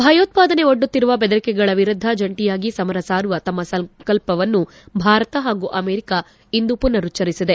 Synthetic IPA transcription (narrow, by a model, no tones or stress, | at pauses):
bʱɐjoːt̪̚paːd̪ɐne̞oɖːut̪ːiɾuʋɐbed̪ɐɾikɛɡɐɭɐʋiɾud̪ʱːɐd͡ʒɐɳʈijaːɡisɐmɐɾɐsaːɾʋɐt̪ɐmːɐsɐŋkɐlpɐʋɐnːu | bʱaːɾɐt̪ɐɦaːɡuʔɐmeːɾika | ind̪upunːɐɾut͡ʃːɐɾisid̪e̞